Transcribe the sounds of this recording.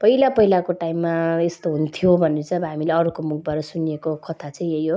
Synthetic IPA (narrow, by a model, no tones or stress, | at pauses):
pʌɦilapʌɦilakoʈaimːaest̪oɦunt̪ʰijobʱʌneʌt͡sʌ̃ʌbʌɦamileʌɾukomuk̚ʰbaɾʌsuniekokʌt̪ʰat͡sʌĩejo